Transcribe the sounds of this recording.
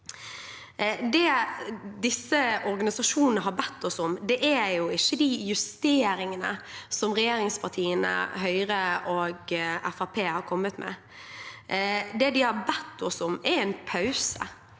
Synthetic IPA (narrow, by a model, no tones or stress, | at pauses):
d̪ɛ | d̪ɪsːəɔɾɡɑnɪsɑʃuːnn̩əɦɑɾbɛt̪ːɔsʊmd̪ɛʔæɾjʊɪçːəd̪ɪjʉst̪eːɾɪŋənə̰sɔmʁɛjeːɾɪŋspʰɑt̪ʰiːənə̰ɦœʏɾəoːɡæfɑpʰeːhɑɾkʰɔmːət̪mʔɛ̰ | d̪ɛd̪ɪhɑɾbɛt̪ːɔsʊmɛɾɛɪnpʰɑʉsə̰